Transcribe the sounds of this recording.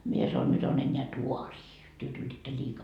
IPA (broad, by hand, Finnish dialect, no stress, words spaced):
mie sɑnon nyt on enːeæ tuɑriː tyø tulitːɑ liːkɑ